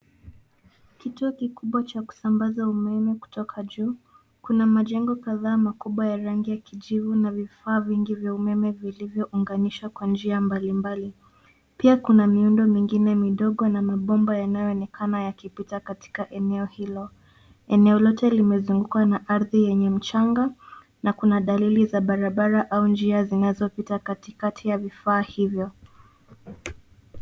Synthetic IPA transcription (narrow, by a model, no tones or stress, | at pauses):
kituɔkikuɓwat͡ʃaku̥sambazaumɛmɛku̥tɔkʰaʄuː | kunamaʄɛŋɡɔkaðaːmakuɓwajaɾaŋɡijakiʄivunavifaːviŋɡivjaumɛmɛvilivjɔʔuŋɡaniʃakwand͡ʒiambalimbali | piakunamiundɔmiŋɡinɛmiɗɔɠɔnamaɓɔmbajanajɔɔnɛkʰanajakipitakati̥kaʔɛnɛɔhilɔ | ɛnɛɔlɔtɛlimɛzuŋɡukanaʔaɾðijɛɲɛm̩t͡ʃaŋɡa | nakunaɗalilizaɓaɾaɓaɾaʔaund͡ʒiazinazɔpitakatikatʰijavifaːhivjɔ